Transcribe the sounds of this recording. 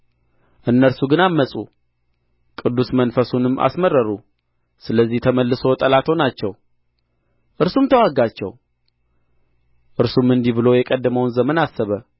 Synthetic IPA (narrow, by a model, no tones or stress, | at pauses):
ʔɨnːəɾsuɡɨnamːəsʼṵ | kʼɨd̪ːusmənfəsunɨmːʔa̰sməɾəɾu | sɨləzːiht̪ʰəməlːɨso̞t̪ʼəlat̪ʰo̞nat͡ʃːɛw | ʔɨɾsumt̪ʰəwaɡːat͡ʃːɛ̰w | ʔɨɾsumɨnd̪iβɨlo̞jɛkʼəd̪ːəməwnzəmənasːəβə